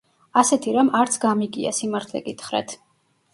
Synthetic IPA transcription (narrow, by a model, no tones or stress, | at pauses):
asɛt̪ʰiɾamaɾt̪sʰɡamiɡia̰simaɾt̪ʰlɛ̰ɡit̪ʰχɾɛ̰t̪ʰ